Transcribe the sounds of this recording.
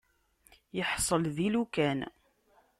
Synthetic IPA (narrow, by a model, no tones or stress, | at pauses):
jəħsˤəlðilukæn